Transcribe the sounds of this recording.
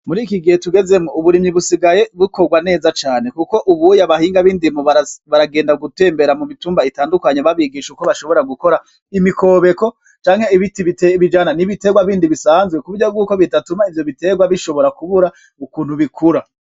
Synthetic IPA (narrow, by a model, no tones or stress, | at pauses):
muɾiːkiɡihetuɡe̞ze̞mouβuɾimɲiβusiɡaje̞βukoɡwane̞ːzat͡ʃaːne̞kuko̞ʔuβujaβahiːŋɡaβiːndimuβaβaɾaɡe̞ːndaɡute̞ːmbe̞ɾamumituːmbaitaːndukaɲeβaβiɡiːʃukoβaʃo̞βo̞ɾaɡuko̞ɾa | imiko̞βe̞ko̞ | t͡ʃaːŋhe̞iβitiiteβid͡ʒananiβite̞ɡwaβiːndiβisaːnzɡwe̞kuβɾjob̚ɡuːko̞βitatumaivjo̞βite̞ɡwaβiʃo̞βo̞ɾakuβuɾa | ukuːnhuβikʰuɾa